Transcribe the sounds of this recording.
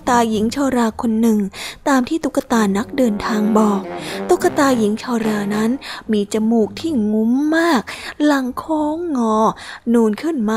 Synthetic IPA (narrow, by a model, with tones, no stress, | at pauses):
t̪aː˧ji˩˦ŋt͡ɕʰaː˧ɾaː˧kʰo˧nːɯ˨˩ŋt̪aː˧mt̪ʰiː˥˩t̪u˦˥ka˧t̪aː˧na˦˥k̚dɤː˧nt̪ʰaː˧ŋbɔː˨˩k̚t̪u˦˥kːa˧t̪aː˧ji˨˩˦ŋt͡ɕʰaː˧wɾaː˧na˦˥nmiː˧t͡ɕa˧muː˨˩k̚t̪ʰiː˥˩ŋu˦˥mːaː˥˩k̚la˨˩˦ŋkʰoː˦˥ŋːɔː˧˩nuː˧nkʰɯ˥˩nmaː˥˩